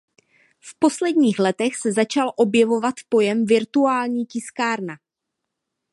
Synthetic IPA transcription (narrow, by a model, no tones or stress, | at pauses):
fpo̞slɛdɲiːxlɛt̪ɛxsɛzat͡ʃalʔo̞bjɛvo̞vat̪po̞jɛmvɪɾt̪uaːlɲiːcɪskaːɾna